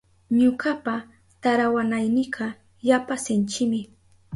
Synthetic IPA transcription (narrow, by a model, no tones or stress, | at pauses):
ɲʊkapa | t̪aɾawanajnɪɢɑ | japasɪnt͡ʃɪmɪ